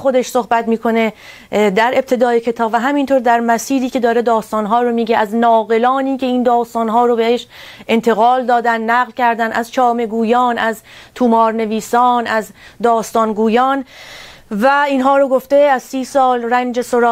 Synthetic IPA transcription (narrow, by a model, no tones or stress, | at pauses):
xod̪e̞ʃso̞hbæt̪miːkʰo̞ne̞ | d̪æɾe̞b̚t̪ʰe̞d̪ɒːjecʰe̞t̪ʰɒːbvæɦæmint̪ʰoɾd̪æɾmæsiːɾiːcʰe̞d̪ɒːɾe̞d̪ɒːst̪ɒːnɦɒːɾomiːɟeʔæznɒːɣe̞lɒːniːcʲe̞iːnd̪ɒːst̪ɒːnɦɒːɾobeheʃ | e̞nt̪ʰe̞ɣɒːld̪ɒːd̪ænːæɣlcʰæɾd̪ænʔæzt͡ʃʰɒːme̞ɡuːjɒːnæzt̪ʰumɒːɾne̞viːsɒːnæzd̪ɒːst̪ɒːnɡuːjɒːn | væiːnɦɒːɾoɡoft̪e̞æzsiːsɒːlrænd͡ʒesoɾː